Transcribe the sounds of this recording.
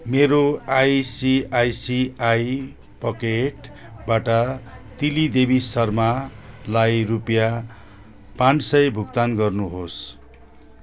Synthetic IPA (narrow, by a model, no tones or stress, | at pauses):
meɾoajsiajsiaj | pʌkeʈ | baʈʌt̪ilid̪ebisʌrmalajrupja | pãnsʌjbʱukt̪anɡʌrnuɦos